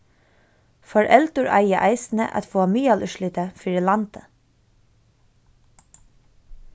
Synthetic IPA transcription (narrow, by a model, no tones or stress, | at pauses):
fɔɹʔɛlt̪ʊɹʔa̰jəʔaɪsnə̰ʔa̰t̪fɔːamiːalʔʏʃlɪt̪əfɪːɹɪlant̪ə̥